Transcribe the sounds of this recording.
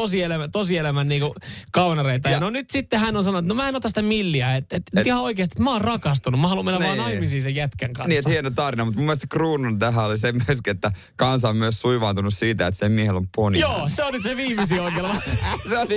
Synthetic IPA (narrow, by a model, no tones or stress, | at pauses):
osielæmæt̪osielæmænniːŋkukɑunɑreit̪ɑjɑnonyt̪sit̪ːehænːonsɑnout̪nomæːenot̪ɑsi̥t̪æmilːiæet̪et̪yt̪ihɑoikeːst̪ie̥t̪mɑːrrɑkɑst̪unumɑhɑlumeilæʋɑːnɑimisiːsejjæt̪keŋkɑ̰niːet̪ːhienot̪ɑˑrʋinɑmut̪mumːelst̪ekruːnunt̪æɦæolisemyøskiet̪ːæ | kɑnsɑommyøssuiʋɑːnt̪unussiːt̪æet̪semmiehelomponjoːseonyt̪seʋiːmisioikelʋɑseoli